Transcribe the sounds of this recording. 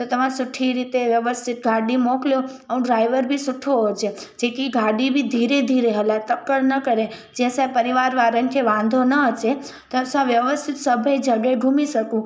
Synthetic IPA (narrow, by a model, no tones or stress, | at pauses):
t̪ot̪əmãsʊʈʰːiɾit̪eʋjəʋəst̪ʰit̪̚ɡʱaɽimokljoəũɖɾaiʋəɾbʱisʊʈʰoɦot͡ʃʰe | d͡ʒekiɡʱaɖibʱid̪ʱiɾed̪ʱiɾeɦəlat̪əkːəɽnəkəɾe | d͡ʒɛ̃sapəɾiʋaɾʋaɾənkʰeʋãnd̪ʱonəət͡ʃʰe | t̪osãʋjəʋəst̪ʰit̪səbʱəjd͡ʒəɡajɡʱumiʃəkũ